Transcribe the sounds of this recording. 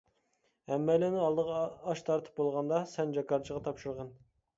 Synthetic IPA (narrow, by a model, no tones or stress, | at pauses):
ɛmːɛlɪnɪɑlˠd̪əʁːʃt̪ʰɑɾt̪ʰɨ̥p̚bolˠʁɑnd̪ɑsɛnd͡ʒɑkɑɾt͡ʃʰəʁɑt̪ʰɑpʃuɾʁɑn